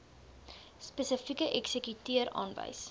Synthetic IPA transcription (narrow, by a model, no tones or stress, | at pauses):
spəsəfikəʔɛksəkytiəɾɑ̰ːnvɐ̰js